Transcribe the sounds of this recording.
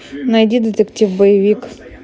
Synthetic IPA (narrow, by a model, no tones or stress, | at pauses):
nɐjdʲid̪et̪ɛktʲiwbɔjiʋʲik